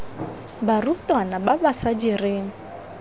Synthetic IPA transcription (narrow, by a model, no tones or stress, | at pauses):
barutanababasad͡ʒireːŋ̩